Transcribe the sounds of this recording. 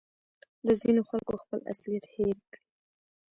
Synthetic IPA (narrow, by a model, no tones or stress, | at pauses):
d̪əzinoxalkoxpəla̰slijat̪heɾkɽi